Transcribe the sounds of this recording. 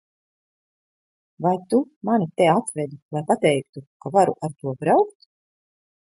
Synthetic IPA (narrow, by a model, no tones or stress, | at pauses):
vajt̪umanit̪ɛat̪vɛd̪ulˠajpat̪ɛjkt̪ukavaɾṵʔaɾt̪uɔbɾawkt̪